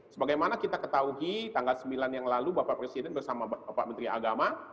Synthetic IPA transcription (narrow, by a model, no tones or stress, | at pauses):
səbaɡajmanakit̪akət̪auɦit̪aŋɡalsəmbilanjaŋlalubapaʔpɾesidɛnbərsamababapa̰ʔmənt̪ɾia̰ɡama